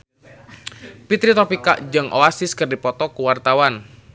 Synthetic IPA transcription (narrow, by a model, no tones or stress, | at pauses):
pit̪ɾit̪ɔpika̰ʔd͡ʒɨŋʔo̰asɪskərdipɔt̪ɔkuwart̪awan